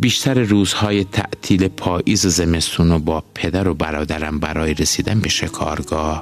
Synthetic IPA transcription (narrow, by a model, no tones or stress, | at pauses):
biːʃt̪ʰæɾeruːzhɒːjet̪ʰæ̰ʔt̪ʰiːlepʰɒːʔiːzezemest̪uːnobɒːpʰe̞d̪æɾobæɾɒːd̪æɾæmbæɾɒːjeɾesiːd̪ænbe̞ʃe̞kʰɒːɾɡɒːh